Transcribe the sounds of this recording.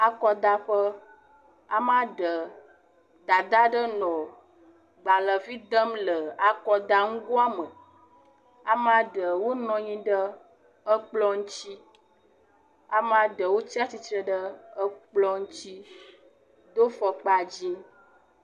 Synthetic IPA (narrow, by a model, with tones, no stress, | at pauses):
a˦kɔ˦d̪a˦ɸə˦ | a˨m˦ã˦ɖə˨ | d̪a˨d̪a˦ɖə˦nɔ̃˨ | ɡ͡ba˨lə˨vi˦d̪ə˦mlə˨a˨kɔ˨d̪a˦ŋũ˦ɡo˦a˦mə˨ | a˨m˦ã˦ɖə˨wo˦nɔ̃˨ɲĩ˦ɖə˦ | ə˦k͡plɔ˦ŋũ˦t͡ɕi˦ | a˨m˦ã˦ɖə˨wo˦t͡ɕi˦a˦t͡ɕi˨t̪ɾə˦ɖə˦ə˦k͡plɔ˦ŋũ˦t͡ɕi˦ | d̪o˦fɔ˨k͡pa˨d͡ʑi˦